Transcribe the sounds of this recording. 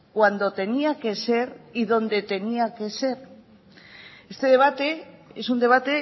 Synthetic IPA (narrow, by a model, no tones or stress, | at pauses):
kwand̪o̞t̪e̞niake̞se̞ɾiðo̞nd̪e̞t̪e̞niake̞se̞ɾ | e̞st̪e̞ðe̞β̞at̪e̞esund̪e̞β̞at̪e̞